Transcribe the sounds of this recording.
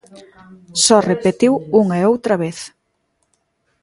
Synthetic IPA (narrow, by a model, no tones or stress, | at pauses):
sɔrepet̪iwuŋɐɛowt̪ɾɐβeθ